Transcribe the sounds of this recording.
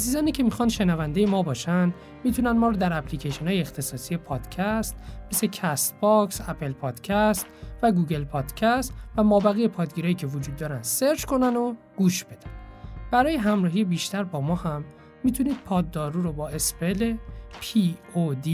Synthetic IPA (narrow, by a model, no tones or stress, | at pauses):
æziːzɒːniːcʰe̞mixɒnd̪ʃe̞nævænd̪ejemɒːbɒːʃænd̪ | miːt̪ʰunænmɒːɾod̪æɾæplicʰeʃonhɒːjeːxt̪ʰe̞sɒːsije̞pʰɒːd̪̥cʰæst̪mesecʰæst̪bɒksæpʰe̞lpʰɒːd̪̥cʰæst̪væɡuːɡe̞lpʰɒːd̪̥cʰæst̪væmɒːbæɣije̞pʰɒːd̪ɡiɾɒːjiːcʰe̞vod͡ʒuːd̪ːɒːɾænd̪̥seɾd͡ʒko̞næno | ɡ̥uːʃbe̞d̪ænb̥æɾɒːje̞ɦæmɾɒːɦijebiːʃt̪æɾbɒːmɒːhæmː | it̪ʰuniːd̪̥̚pʰɒːd̪ːɒːɾuːɾobɒːe̞spelepʰiod̪i